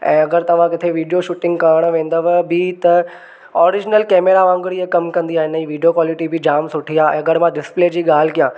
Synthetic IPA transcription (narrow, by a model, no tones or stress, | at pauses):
ɛ̰̃ːɐɡəɾt̪ɐʋ̤ãkɪt̪ʰeʋiːɖijoʃʊʈɪ̃ŋɡkaəɽ̃ʋẽːn̆d̪əʋbɪt̪ɐ | ɔːɾɪd͡ʑnəlkɛːmeːɾaʋãːŋɡɽiekɐmkɐ̃nd̪iaːɦeɪnəiʋiːɖijokwaːlɪʈibʱɪd͡ʑaːmsʊʈʰiaɛ̰̃ːɐɡəɽmãɖɪspleːd͡ʑiːɠaːl̤ɪkijãː